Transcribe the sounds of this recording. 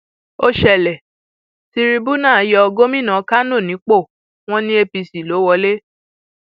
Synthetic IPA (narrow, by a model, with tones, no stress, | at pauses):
o˦ʃɛ˦˨lɛ˨ | si˧ɾi˧bu˦nã˦˨˦jɔ˧ɔ˧ɡo˦mĩ˦˨nã˨˧˦ka˦no˦˨nĩ˨˦k͡po˦˨ | w̃ɔ̃˦nĩ˦e˧pi˧si˨lo˨˦wɔ˧le˦